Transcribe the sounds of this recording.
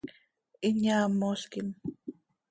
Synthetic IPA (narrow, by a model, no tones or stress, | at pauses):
ɪɲaːmoɬkɪm